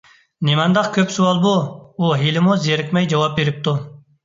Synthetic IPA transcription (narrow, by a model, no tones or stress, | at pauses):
nemɑnd̪ɑχkʲʰøpsuwɑlˠbuuɦilɪmuzeɾɪkʲmɛjd͡ʒɑwɑp̚beɾɪp̚t̪ʰu